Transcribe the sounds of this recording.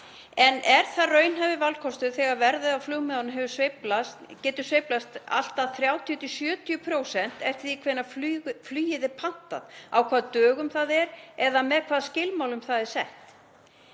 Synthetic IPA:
ɛnʔɛɾ̥θarœːɥnhajvɪvalkʰɔst̪ʏθɛɣaɾvɛɾðʏðawflʏɣmɛðanɦɛvʏsveplast̪cɛːt̪ʏ̥svejplast̪a̰l̥t̪aðθɾjaːwt̪ʰijʏt̪ʰɪsjœːt̪ʰijʏpʰɾoːwsɛn̥t̪ɛft̪θikʰvɛːnːaflyflyːjɪðɪpʰan̥t̪a̰ðawkʰvaːðt̪œːɣʏmθaðɛɾɛðamɛðkʰv̥aːðscɪlmaːwlʏmθaðɛɾ̥sɛht̪

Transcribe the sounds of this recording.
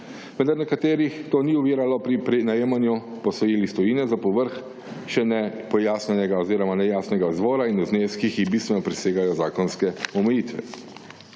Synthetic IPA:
ʋɛ̃nd̪aɾnɛkat̪eːɾixt̪oːniuʋiːɾalɔpɾipɾɛnajeːmanju | pɔsɔjeːlist̪ɔjiːnɛzapɔʋəɾx | ʃɛnɛpɔjaːsnɛnɛɡaɔziːɾɔmanɛjaːsnɛɡazʋɔːɾainuzneːskixibist̪ʋɛnɔpɾɛseːɡajɔzaːkɔnskɛɔmɛjit̪ʋɛ̰

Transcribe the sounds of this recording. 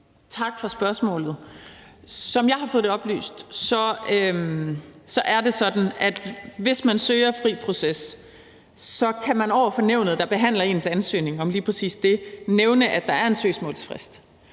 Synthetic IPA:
t͡sʰɑ̈ɡ̥fɒsb̥ɶɐsmɔ̰̽ːlð̩ˠ | sɒ̽mjɑ̈ɪhɑ̈fɔ̽ð̩ˠde̝ɒ̽b̥ly̰ːsd̥sɒ̽ømsɒ̽ʔæɐd̥e̝sɒ̽d̥n̩æd̥ʋe̝smænsøːɐfʁḭːpʰʁo̝sesː | ɒ̽kʰæmænɒʊ̰ɐfɒ̽neʊnð̩ˠd̥ɑ̈b̥e̝ɦæn̰lɐe̝̰ːnsænsø̰ːne̝ŋɒ̽mliːpʰʁɛsḭːsd̥e̝neʊnəʔæd̥ɑ̈æɐe̝nsø̰ːsmɔ̰ːlsfʁɛsd̥

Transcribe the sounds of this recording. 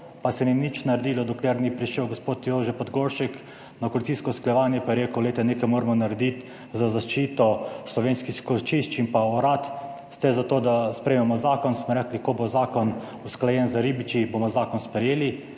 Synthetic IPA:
pasɛninit͡ʃnaɾɛd̪iːlɔd̪ɔklɛɾnipɾiʃɛwɡospoːt̪joːʒɛpɔd̪ɡoɾʃik | nakolit̪siːskɔusklajɛʋaːnjɛpajɛɾeːkəwlet̪ɛneːkajmoːɾmɔnaɾɛd̪it̪ | zazaʃt͡ʃiːt̪ɔslɔʋeːnskixkot͡ʃiʃt͡ʃimpaɔɾat̪ | st̪ɛzat̪oːd̪aspɾɛːmɛmɔzaːkɔnsmɔɾɛklikobozaːkɔn | usklajɛnzaɾibit͡ʃibomɔzaːkɔnspɾɛjeːli

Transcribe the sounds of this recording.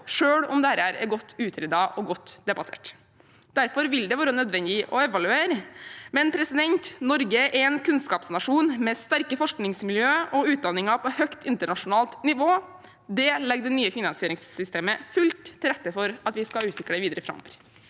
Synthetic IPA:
ʂøːɽɔmd̪ɛhæːɾæːɾɛ̰ɾɡɔt̪ʰːʉːt̪ʰɾɛd̪ɑʔɔɡɔt̪ːd̪ɛbɑt̪ʰḛːʈ | d̪̥æɾfɔɾʋɪld̪ɛʋoːɾənœd̪ʋɛnd̪ɪʔɔɛʋɑlʉeːɾəmɛnpʰɾɛsɪd̪ɛnt̪nɔɾɡəʔɛɛnkʰʉnskɑːpsnɑʂuːnmɛst̪æɾkəfɔʂknɪŋsmɪljøːʔɔʉːt̪̚d̪ɑnːɪŋɑpʰɔhœkt̪ɪnt̪əɳɑʂʊnɑːlt̪nɪʋoː | d̪ɛlɛɡ̚d̪ənyːəfɪnɑnsɪeːɾɪŋsːʏst̪eːməfʉlt̪ʰːɪlɾɛt̪ːəfɔɾɑt̪ʋɪskɑʉːt̪ʋɪkɽəʋiːd̪əɾəfɾɑ̰mːɔ̰ʋəɾ

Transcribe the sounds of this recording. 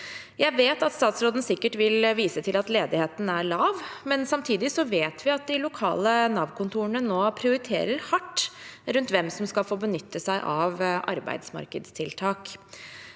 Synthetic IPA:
jæɪʋeːt̪ɑt̪st̪ɑːt̪sɾoːd̪n̩sɪkːəʈʋɪlʋiːsət̪ʰɪlɑt̪leːd̪ɪheːt̪n̩æɭɑːʋmɛnsɑmt̪ʰiːd̪ɪsɔʋeːt̪ʰʋɪɑt̪̚d̪ɪlʊkʰɑ̰ːlənɑːʋkʰʊnt̪ʰuːəɳənoːpʰɾɪʊɾɪt̪ʰḛːɾəɾhɑʈːɾʉnt̪ʋɛmsɔmskɑlfoːbənʏt̪ːəsæɪʔɑʋʔɑ̰ɾbæ̰ɪd̪smɑ̰ɾkəd̪st̪ʰɪlt̪ʰɑːk

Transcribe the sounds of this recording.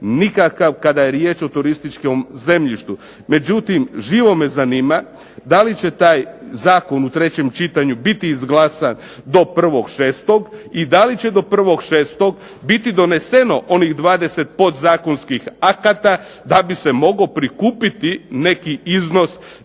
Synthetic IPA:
nikakaʋkad̪ajeɾjeːt͡ʃot̪uɾist̪it͡ʃkomze̞mʎiʃt̪u | me̞d͡ʑut̪imʒiːʋo̞me̞zaniːma | d̪alit͡ɕe̞t̪aːjzaːko̞nut̪ɾe̞t͡ɕe̞mt͡ʃit̪aɲubit̪iːzɡlˠaːsan | d̪o̞pr̩ʋo̞ɡ̥ʃe̞ːst̪o̞ɡid̪alit͡ɕe̞d̪o̞pr̩ʋo̞ɡʃeːst̪o̞ɡ | bit̪id̪o̞ne̞seno̞ʔo̞nixd̪ʋaːd̪e̞set̪̚pot̪zaːko̞nskixakat̪a | d̪abise̞mo̞ɡo̞pɾikuːpit̪ine̞kiizno̞s

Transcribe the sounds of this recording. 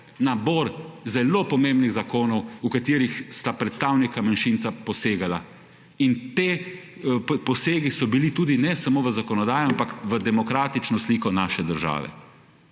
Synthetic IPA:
naboɾzɛloːpɔmẽmbniɣzakoːnɔwukat̪iːɾixst̪apɾɛt̪st̪aːwnikamanʃint̪sapɔseːɡala | int̪eː | pɔseːɡisɔbilit̪uːd̪inɛsamoːʋəzakɔnɔd̪aːjɔampakʋəd̪ɛmɔkɾaːt̪it͡ʃnɔsliːkɔnaːʃɛd̪əɾʒa̰ːʋɛ̰

